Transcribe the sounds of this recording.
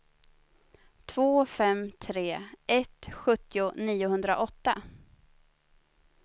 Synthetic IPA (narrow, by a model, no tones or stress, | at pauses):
t̪ʰvoːfɛmt̪ʰɾeːɛt̪ɧɵt̪ːɪʊniːʊɦɵnd̪ɾa̰ʔɔt̪ːa